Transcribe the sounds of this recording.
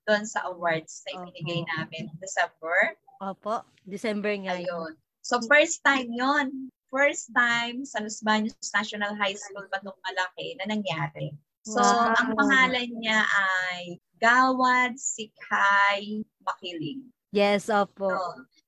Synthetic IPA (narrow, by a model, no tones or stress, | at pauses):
d̪̥onsɐ̰ʔɐwaɹd̪snɐʔɪbɪnɪɡɐjnaːmɛnd̪ɛsɛmbɛɹ | ʔoːpoʔ | d̪ɛsɛmbɛŋaajon | sofɛɹst̪ajmjonfɛɹst̪ajmsɐlʊsbaɲʊsnaʃonɐlɦajskulpɐt̪oŋmɐlɐkɛnɐnɐŋjaːɾɛ | soɐŋpɐŋaːlɐnɲaʔaj | ɡaːwɐd̪̚sɪkhaj | mɐkiːlɪŋ | jɛsʔoːpo